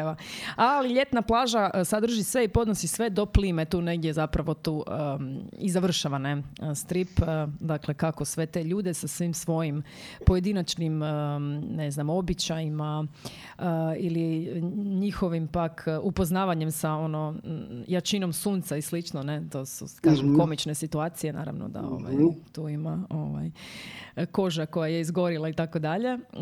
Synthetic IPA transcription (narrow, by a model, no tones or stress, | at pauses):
eʋaaliʎe̞t̪naplˠaːʒasad̪r̩ʒisʋe̞ipo̞d̪nosisʋe̞d̪o̞pliːmet̪uːne̞ɡd̪je̞zapɾaʋo̞t̪uːʔəizaʋr̩ʃaʋanest̪ɾipd̪akle̞kako̞sʋe̞t̪e̞ʎuːd̪esasʋimsʋo̞jim | po̞je̞d̪inat͡ʃniməneznamo̞bit͡ɕajima | əiliɲixo̞ʋimpakʰupo̞znaːʋaɲe̞msao̞no̞jat͡ʃino̞msuːnt̪saislit͡ʃnone̞t̪o̞sṵkaʒemko̞mit͡ʃne̞sit̪uaːt̪sije̞na̰ːɾa̰ʋno̰d̪a̰o̰ʋa̰jt̪uːimaoʋa̰j | ko̞ʒako̞jaje̞izɡo̞ɾilˠait̪ako̞d̪aʎe̞